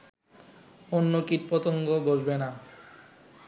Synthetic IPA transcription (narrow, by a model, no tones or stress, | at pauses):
onːokiɾpɔt̪oŋɡobolbena